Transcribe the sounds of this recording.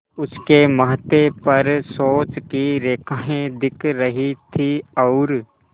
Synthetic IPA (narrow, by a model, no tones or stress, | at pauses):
ʊskemɐɦt̪epɐɾsoːt͡ʃkiɾeːkʰaːɦẽd̪ɪkʰɾɐɦit̪ʰiɔːɾ